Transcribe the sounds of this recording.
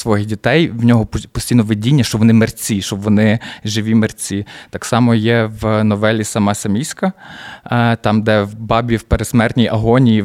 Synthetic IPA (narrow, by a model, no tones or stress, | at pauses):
sʋɔɦɪxdʲit̪ɛjwnʲɔɦɔpɔsʲtʲijnɔʋedʲinʲːɐʃt͡ʃɔʋɔnɪmert͡sʲiʃt͡ʃɔbʋɔnɪʒɪʋʲimert͡sʲit̪ɑksɑmɔjɛʋnɔʋɛlʲisɐmɑsɐmʲijsʲkɐ | t̪ɑmd̪ɛwbɑbʲiwpeɾesmɛrt̪ʲnʲijʔɐɦɔnʲiji